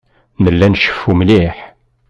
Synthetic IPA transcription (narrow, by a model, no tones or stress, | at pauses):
nəlːænʃə̥fːumliħ